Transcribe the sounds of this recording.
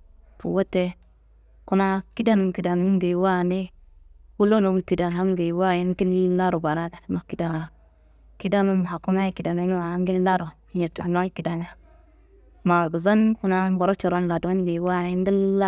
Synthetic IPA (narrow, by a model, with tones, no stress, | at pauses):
tṵ˨wo˦te˦ | ku˦na˦ki˦da˦nu˨m˨ki˨da˨nu˦ɡe˨wa˦˨ne˦wu˦lo˦no˨˦˨ki˨da˨na˦m˦ɡe˨wa˦˨ji˦n˦ki˦n˦la˦ɾo˨ba˨ɾa˦da˨˦ma˨ki˨da˨na˨ | ki˦da˦nu˦m˨ha˨ku˦na˦i˦ki˨da˨ne˦u˦a˨˦ŋɡi˦n˦la˦ɾo˨˦a˨ta˨na˦ki˨da˨na˦ | ma˨ɡi˨za˦nku˦na˦ba˨ɾo˦t͡ʃa˨ɾa˦n˨la˨du˨˦n˦ɡe˨wa˦˨ni˦n˦di˦n˦la˦